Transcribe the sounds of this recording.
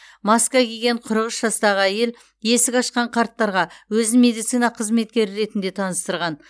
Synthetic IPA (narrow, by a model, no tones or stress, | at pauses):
mɑskvɑkʲʰeɡʲe̞ɴqʰʊɾəʁəsʒɑst̪ɑʁəæje̞l | je̞sɪkʲɑʃqɑɴqʰɑɾt̪ːɑɾʁɑwɵzɪme̞d̪ijt̪sijnɑqʰəzme̞t̪kʲe̞ɾɪɾe̞t̪ɪnd̪e̞t̪ʰɑnəst̪əɾʁɑn